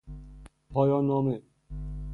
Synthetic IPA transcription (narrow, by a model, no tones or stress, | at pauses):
pʰɔːjɒːnːɔːme